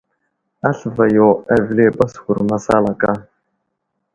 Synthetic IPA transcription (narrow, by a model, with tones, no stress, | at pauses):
a˦ɬva˨jo˨æ˨vle˦ba˦sxʊ˨ɾma˦sa̰ː˦la˨ka˦